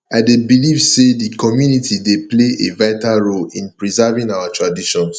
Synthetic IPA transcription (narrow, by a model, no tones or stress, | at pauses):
aɪdebilivsedikɔmjunitʰidepleʔevaɪtaɹolĩnpɹizavĩŋawatɹadiʃɔ̃ns